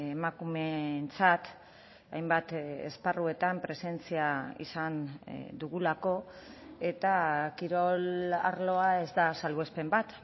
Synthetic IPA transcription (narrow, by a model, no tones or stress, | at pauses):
emakume̞nt͡sat̪ | ajmbat̪ḛsparue̞t̪ampɾe̞se̞nt͡siaḭsand̪uɣulako̞e̞t̪akiɾo̞la̰ɾlo̞ae̞zd̪asalue̞spe̞mbat̪